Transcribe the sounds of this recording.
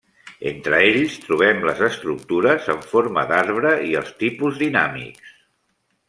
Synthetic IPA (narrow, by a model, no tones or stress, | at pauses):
ent̪ɾəeʎst̪ɾuβ̞ɛmləzəst̪ɾuk̚t̪uɾəzəɱfoɾməd̪aɾβɾəiəlˠst̪ipuzðinamḭks